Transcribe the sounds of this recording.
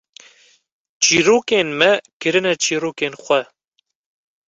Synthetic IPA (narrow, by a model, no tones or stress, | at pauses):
t͡ʃiːɾoːkeːnmɛkɨɾɨnɛt͡ʃiːɾoːkeːnxʷɛ